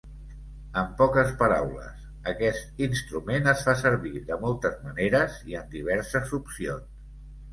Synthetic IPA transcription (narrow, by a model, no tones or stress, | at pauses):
əmpɔkəspəɾawlə̰s | əkɛst̪inst̪ɾumenəsfasəɾβiðəmɔlˠt̪əzməneɾəziənd̪iβ̞ɛɾsəzupsions